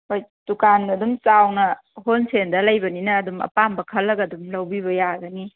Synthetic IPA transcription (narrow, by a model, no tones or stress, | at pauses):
hojd̥ukanɐdumt͡ʃawnɐ | honsʰendɐlɐjbɐninɐːdumɐ̰pambɐkʰɐlːɐɡɐdumlɐwbiβɐjaɡɐni